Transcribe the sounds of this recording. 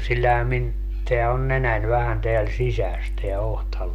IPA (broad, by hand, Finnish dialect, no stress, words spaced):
silːæhæ min teæ on nenæn ʋæhæn teæl sisæs teæ ohtɑluː